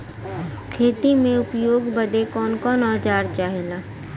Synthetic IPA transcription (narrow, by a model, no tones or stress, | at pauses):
kʰeːt̪imẽʊpjoːɡbəd̪ekɔːnkɔːnɔːt͡ʃaːɾt͡ʃaːɦeːlaː